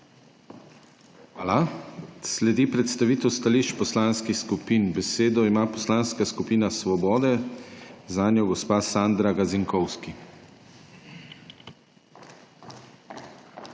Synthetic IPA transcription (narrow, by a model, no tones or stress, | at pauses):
alaslɛd̪ipɾɛt̪st̪aʋiːt̪ɛwst̪aliːʃt͡ʃpɔslanskixskupiːnbɛseːd̪ɔimaːpɔslanskaskupiːnasʋɔbɔːd̪ɛ | zanjɔɡɔspaːsand̪ɾaɡaziŋkɔwski